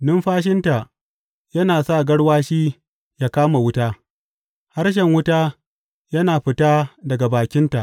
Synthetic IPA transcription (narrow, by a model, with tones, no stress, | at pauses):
nʊ˦mɸaː˦ʃ̬ɪ˦nta˨ | jɐ˦naː˨sa˦˨ɡɐ˦ɽwaː˦ʃiː˦ | jaː˦kaː˦ma˨wʊ˦taː˦ | ha˦ɽʃ̬ɛ˨ŋwʊ˦taː˦ | jɐ˦naː˨ɸɪ˨taː˦dɐ˨ɡa˨baː˨kʲɪ˦nta˨ʔ